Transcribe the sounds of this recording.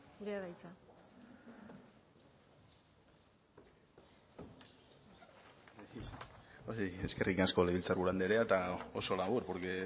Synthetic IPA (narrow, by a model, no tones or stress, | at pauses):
ɡuɾeaβajt͡sa | eisoie̞ske̞rikasko̞leβilt͡sarβuɾand̪eɾeat̪aoso̞laβuɾpoɾke̞